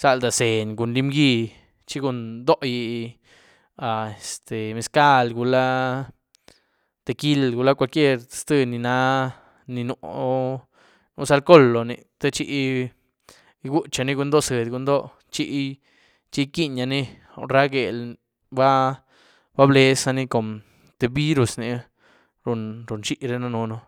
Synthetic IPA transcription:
sa˧ld̪a˨se˨ɲɡu˨nli˦mɡi˧ | t͡ʃi˦ɡu˧nd̪o˦ʔji˧ | a˨e˨st̪e˨me˨˧ska˦˧lɡu˨la˦ | t̪e˧˨ki˦lɡu˧la˦kʷa˧lkʲje˦˧ɾst̪ɨ˧ni˧na˦ | ni˧nṵ˧ʔ | nu˧sa˧lko˦lo˨nḭ˨t̪e˦t͡ʃi˧ʔ | ɡu˦t͡ʃa˨˧ni˦ɡu˧˦nd̪o˦sɨ˨d̪ɡu˧˦nd̪o˦ | t͡ʃi˦˧ʔ | t͡ʃi˦ki˦ɲa˧ni˦˨ | ɾa˦ɡe˨l | ba˦ | ba˦ble˧sa˧ni˦˧ko˨m | t̪e˧bi˦ɾu˨sni˧ | ɾu˧nɾu˨nt͡ʃi˦ʔɾe˧na˧no˧no˧

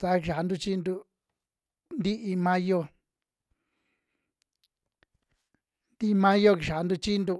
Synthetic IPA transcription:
t̪a˧˦˧ki˧ʃa˨˧nd̪u˧t͡ʃi˦nd̪u˧ | nd̪i˦ʔi˧mã˦jo˧ | nd̪i˦˧mã˦jo˧ki˧˨ʃa˨˦˧nd̪u˧t͡ʃi˦nd̪u˧

